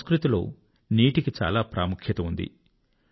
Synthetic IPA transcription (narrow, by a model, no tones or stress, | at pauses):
skɾut̪ilo̞̰ː | niːʈikit͡ʃa̰ːlaːpɾa̰ːmukʰjɐt̪ɐund̪ḭ